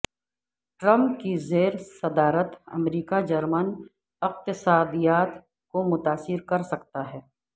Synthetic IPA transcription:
ʈɾɐ̃mp̚kizeːɾsɐd̪aːɾət̪ɐ̰mɾiːkad͡ʒɐɾmən | ɪqt̪ɪsaːd̪ijaːt̪ | komʊt̪aːsɪɾkɐɾsɐkt̪aɦɛː

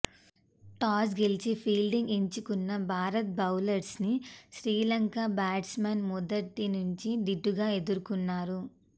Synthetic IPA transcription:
ʈaːs̬ɡelit͡ʃipʰiːlɖiŋɡeɲt͡ʃukunːɐbʱaːɾɐt̪̚bɐwlɐɾsniʃɾiːlɐŋkabaːʈsmɐnmɔd̪ɐt̪inuɲt͡ʃid̪iɖːuɡaːe̞d̪uɾukunːaːɾu

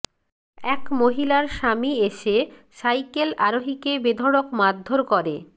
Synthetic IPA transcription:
ɛkmoɦilaɾʃamieʃe | ʃajkelaɾoɦikebed̪ʱoɽokmad̪ʱːoɾkɔɾe

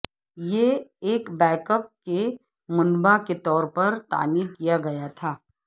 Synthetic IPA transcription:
jeeːkbɛːkəp̚ke | mʊnbaket̪ɔːɾpɐɾt̪a̰ːmiːɾkijaɡɐjat̪ʰaː

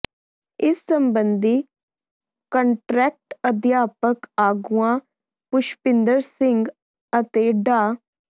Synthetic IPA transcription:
ɪsːəmbənd̪iː | kəɳʈɾɛːk̚ʈəd̪jaːpəkaːɡuãː | pʊʃpɪnd̪əɾsɪŋɡ | ət̪eːɖaː

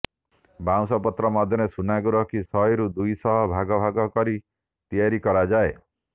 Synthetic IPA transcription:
baw̃sɔpɔt̪ɾɔmɔd̪ʱjɔnesunaɡuɾɔkisɔɦjɾud̪ujsɔɦɔbʱaɡɔbʱaɡɔkɔɾi | t̪ijaɾikɔɾad͡ʒae

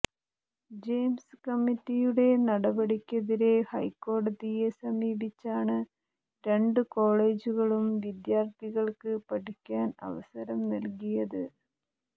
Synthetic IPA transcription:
d͡ʑejmsɨkɐmːitːijuɽe̞nɐɽɐbɐɽikʲːɐðiɾe̞hɐjkːo̞ːɽɐðije̞sɐmiːbit͡ɕːaːɳɨ | ɾe̞ɳɖɨko̞ːɭe̞ːd͡ʑuɣɐɭumʋid̪jaːrt̪iɣɐɭkɨpɐʈikʲːaːnɐ̰ʋɐ̰sɐɾɐmnɐlkijɐðɨ

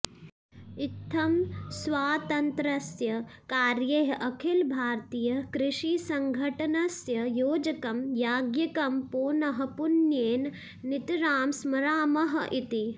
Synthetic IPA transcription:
it̪ʰːɐmsʋaːt̪ɐnt̪ɾɐsjɐkaːɾjɐɦɐʔɐkʰilbʱaːɾt̪ijɐkɾɪʃisɐŋɡʱɐʈɐnɐsjɐjoːd͡ʒɐkɐmjaːɡjɐkɐmpoːnɐɦɐ̆punjeːn | nit̪ɾaːmsmɐɾaːmɐɦɐ̆ʔit̪i

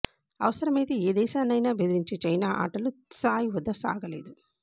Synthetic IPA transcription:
ɐ̰ʋɐsɐɾɐmejt̪ieːd̪ɛːʃaːnɐjnɐbed̪iɾiɲt͡ʃit͡ʃɐjnaːʔa̰ːʈɐlusaːjiʋɔd̪ːɐsa̰ːɡɐleːd̪u

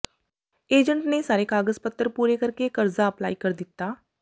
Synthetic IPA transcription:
eːd͡ʒəɳʈnesaːɾekaːɡəzpət̪ːəɾpuːɾekəɾkekəɾzaəpla̰ːikəɾd̪ɪt̪ːaː

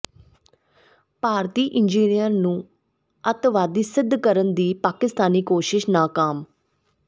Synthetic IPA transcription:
paːɾt̪iːʔɪnd͡ʒiːnijəɾnũː | ət̪ʋaːd̪iːsɪd̪ʱːkəɾənd̪iːpaːkɪst̪aːniːkoːʃɪʃnaːkaːm

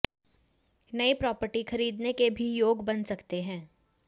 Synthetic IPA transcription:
nɐipɾɔːpəɾʈixɐɾiːd̪nekebʱijoːɡbɐnsɐkt̪eɦɛ̃ː

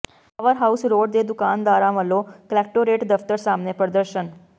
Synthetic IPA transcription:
paʋəɾɦausɾoɖd̪ed̪ʊkand̪aɾãʋəloklɛkʈoɾeʈd̪əft̪əɾsamnepɾəd̪əɾʃən

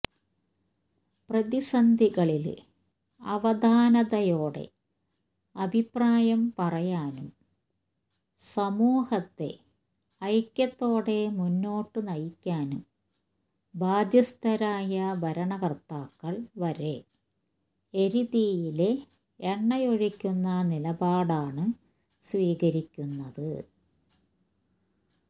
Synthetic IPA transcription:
prɐðisɐnd̪ʱiɣɐɭil | ɐ̰ʋɐd̪aːnɐðɐjo̞ːɽe̞̰ | ɐbʱipːraːjɐmpɐrɐjaːnum | sɐmuːhɐt̪ːe̞̰ | ɐjkʲːɐt̪ːo̞ːɽe̞munːo̞ːʈːɨnɐjikʲːaːnum | baːd̪jɐst̪ʰɐɾaːjɐbʱɐɾɐɳɐkɐrt̪ːaːkːɐɭʋɐɾe̞ | eɾiðijile | eɳːɐjoɻikʲːunːɐnilɐbaːɽaːɳɨ | sʋiːɣɐɾikʲːunːɐðɨ

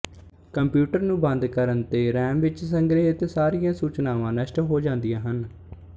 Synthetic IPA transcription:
kəmpjuːʈəɾnũːbə̃nd̪kəɾənt̪eːɾɛːmʋɪt͡ʃsəŋɡɾeːɦɪt̪saːɾijãːsuːt͡ʃnaːʋãːnəʃʈɦoːd͡ʒãːnd̪ijãːɦən

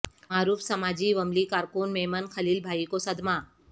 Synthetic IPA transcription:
maːɾuːfsɐmaːd͡ʒiʋɐmlikaːɾkunmeːmənxɐliːlbʱaːikosɐd̪maː

